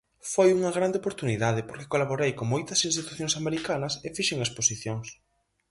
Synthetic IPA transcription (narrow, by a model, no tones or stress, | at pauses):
fojuŋɐɣɾand̪eopoɾt̪uniðað̞ɪpoɾkɪ̥kolaβoɾejkoŋmojt̪ɐsinst̪it̪uθjõŋsameɾikanɐsefiʃeŋesposiθjoŋs